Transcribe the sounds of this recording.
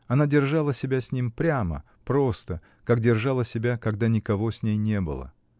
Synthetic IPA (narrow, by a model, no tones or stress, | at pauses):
ɐnadʲɪrʐalˠəsʲɪbʲasʲnʲimpɾʲamə̰ | pɾo̞st̪ə | kakdʲɪrʐɑlˠəsʲɪbʲakɐɡd̪anʲɪkɐvo̞sʲnʲejnʲe̞bɨ̰lˠə̰